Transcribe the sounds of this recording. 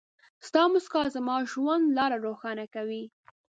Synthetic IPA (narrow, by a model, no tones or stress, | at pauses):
st̪ɑmʊskɑzəmɑʒwand̪lɑɾaɾoxɑnakawi